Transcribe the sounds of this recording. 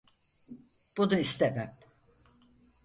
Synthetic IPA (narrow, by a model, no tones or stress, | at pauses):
b̥ud̪uist̪emæm